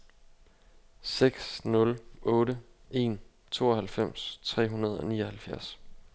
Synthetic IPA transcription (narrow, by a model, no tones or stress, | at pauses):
seɡ̥snɔ̽lɔ̽ːɾəe̝̰ːn | t͡sʰo̝̰ːɒhælfem̰st͡sʰʁɛ̰ːɦunɐð̞ˠɒ̽niːɒhælfjæɐs